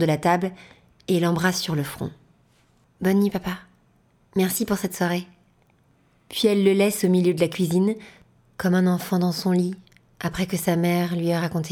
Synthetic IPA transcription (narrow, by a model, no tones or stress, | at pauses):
d̪əlat̪abl | elɑ̃bʁasːyʁləfχɔ̰̃ | bɔnːipapa | mɛʁsipuʁsɛt̪swaʁe | pɥiɛlːəlɛsomiljød̪əlakʲɥizin | kɔmɛ̃nɑ̃fɑ̃d̪ɑ̃sɔ̃li | apχɛkəsamɛʁlɥiaʁakɔ̃t̪e